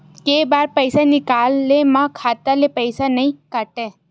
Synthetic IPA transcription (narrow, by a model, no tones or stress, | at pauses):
kebaɾpəjsanikalːemãkʰat̪alepəjsanəĩkaʈe